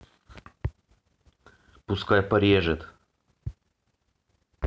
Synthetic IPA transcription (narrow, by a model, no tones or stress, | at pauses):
pʊskajpɐɾʲjɛʐɛt̪